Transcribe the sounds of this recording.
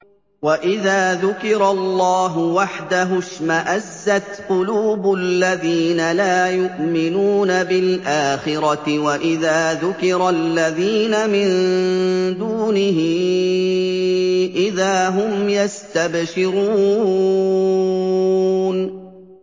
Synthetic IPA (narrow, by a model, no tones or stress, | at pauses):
waʔɪðaːðʊkɪɾɑlːɑːɦʊwaħd̪aɦʊʃmaʔazːat̪qʊluːbʊlːaðiːnalaːjʊʔmɪnuːnabɪlʔaːxɪɾˤɑɪwaʔɪðaːðʊkɪɾalːaðiːnamɪn | d̪uːnɪɦɪ | ʔɪðaːɦʊmjast̪abʃɪɾuː | n